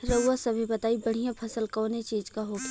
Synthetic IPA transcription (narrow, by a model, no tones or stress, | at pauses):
ɾɐasɐbʱibɐt̪aːibɐɽ̤ijãpʰɐsəlkɔːnet͡ʃiːd͡ʒkaɦo